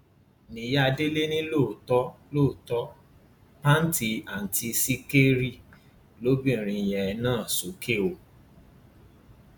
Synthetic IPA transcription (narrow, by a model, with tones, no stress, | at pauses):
nĩ˨ja˦a˧de˦le˦nĩ˦lo˦˨tɔ˦lo˦˨tɔ˦ | pa˦n˦ti˧a˨n̩˨ti˧si˦ke˦ɾi˦˨ | lo˦bĩ˦˨ɾ̃ĩ˧˨jɛ˨˧nãː˦˨so˨˦kʰe˦˨o˨